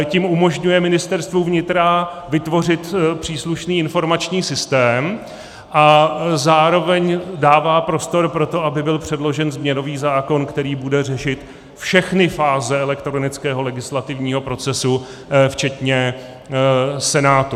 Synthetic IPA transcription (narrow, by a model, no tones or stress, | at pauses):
cimumo̞ʒɲujɛmɪnɪst̪ɛɾst̪vuvɲɪt̪ɾa | vɪt̪vo̞rɪt̪pr̥iːsluʃniːɪnfo̞ɾmat͡ʃɲiːsɪst̪ɛːm | ʔazaːɾo̞vɛɲdaːvaːpɾo̞st̪o̞ɾpɾo̞t̪o̞ʔabɪbɪlpr̝̥ɛdlo̞ʒɛnzmɲɛno̞viːzaːko̞nkt̪ɛɾiːbudɛr̝ɛʃɪt̪ | fʃɛxnɪfaːzɛɛlɛkt̪ɾo̞nɪt͡skɛːɦo̞lɛɡɪslat̪ɪvɲiːɦo̞pɾo̞t͡sɛsu | ft͡ʃɛt̪ɲɛ | sɛnaːt̪u